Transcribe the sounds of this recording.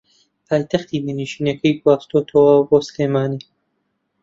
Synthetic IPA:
pʰɑːjt̪axt̪id̪əniʃinakəjkwɑːst̪ot̪ʰowɑbosleːmɑːni

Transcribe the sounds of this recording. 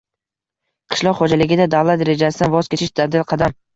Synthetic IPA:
qʰɨ̥ʃlˠɒqχod͡ʒalɪɡʲɪd̪ad̪avlˠat̪ɾed͡ʒasɪd̪anvɒzkʲet͡ʃʰɪʃd̪ʰad̪ɪlqʰɑd̪am

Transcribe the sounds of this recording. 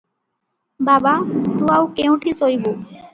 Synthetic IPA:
babat̪uawkew̃ʈisojbo

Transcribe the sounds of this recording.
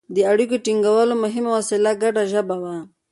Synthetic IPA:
d̪əaɽikoʈiŋɡawəlomʊɦɪmawasɪlaɡaɖaʒəbawa

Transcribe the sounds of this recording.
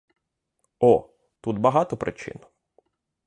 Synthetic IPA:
ɔ | t̪ud̪bɐɦɑt̪ɔpɾɪ̰t͡ʃɪ̰n

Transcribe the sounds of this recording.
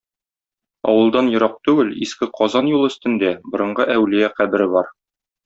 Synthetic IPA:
ɒ̰wɤ̆lˠd̪ɑnjŏɾɑq̚t̪ʉɡɘliskɘqʰɒzɑnjulˠɵ̆st̪ɘ̆nd̪æbŏɾɤ̆ɴɢɤʔæwlɘjæqæbɘ̆ɾɘbɒɾ

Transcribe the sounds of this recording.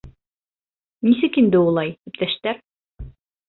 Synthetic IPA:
nis̬ɘkind̪ɘulˠɑjd̪ipt̪æʃt̪æɾ

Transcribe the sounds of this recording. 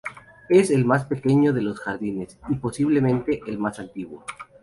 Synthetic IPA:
e̞se̞lmaspe̞ke̞ɲo̞ðe̞lo̞sxaɾðinesipo̞siβ̞le̞mẽ̞nt̪e̞ʔelmasant̪iɣwo

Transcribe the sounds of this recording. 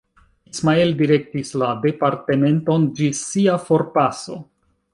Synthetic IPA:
ismaeldiɾe̞k̚tislade̞paɾte̞me̞nto̞nd͡ʒisiafo̞ɾpaso̞

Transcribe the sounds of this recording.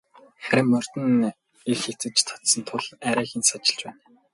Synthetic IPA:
χæɾʲɪ̆mːœr̥t̪ɘ̆n | ixxekt͡sɘ̆t͡ɕt̪ʰɔ̥t̪sə̆nt̪ʰʊɮæɾæːxinsat͡ɕɪ̆ɬt͡ɕpæːn

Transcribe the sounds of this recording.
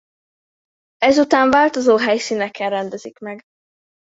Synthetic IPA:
ɛzut̪aːɱvaːlt̪ozoːɦɛjsiːnɛkɛnrɛnd̪ɛzikmɛɡ

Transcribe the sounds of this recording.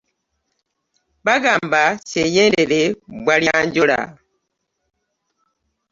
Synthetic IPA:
baɡaːmbat͡ʃeɲendelebwaljaɲɟoɾa̰

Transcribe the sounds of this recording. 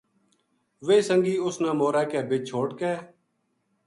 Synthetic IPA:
ʋeːsəŋɡiːʊsnãːmoːɾɛːkɛːbɪt͡ʃʰoːʈkɛː

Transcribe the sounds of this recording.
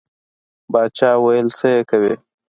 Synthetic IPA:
bɑːt͡ʃɑːwajəlsəjekawe

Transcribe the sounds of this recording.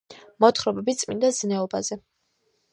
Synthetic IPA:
mɔt̪ʰχɾɔbɛbitt̪sʼmḭnd̪anɛɔbazɛ

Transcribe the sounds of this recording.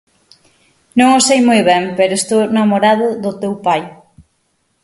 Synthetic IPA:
nõŋosejmojβɛmpeɾʊest̪ownamoɾaðʊðʊt̪ewpaj

